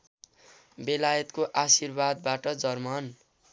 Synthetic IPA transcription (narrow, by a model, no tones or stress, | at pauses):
belajʌt̪koʔasirbad̪baʈʌd͡zʌrman